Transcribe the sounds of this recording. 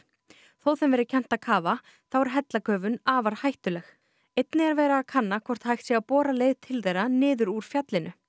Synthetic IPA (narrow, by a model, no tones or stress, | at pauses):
θowθɛmvɛɾɪcʰɛn̥t̪akʰaːva | θawɛɾ̥ɦɛt̪lakʰœːvʏnaːvaɾ̥hajht̪ʏlɛx | ejt̪nɪaɾvɛːɾaːðkʰanːakʰvɔr̥t̪hajxt̪sjiapɔːɾaleːjðt̪ʰɪlθejɾanɪːðʏɾuɾ̥fjat̪lɪnʏ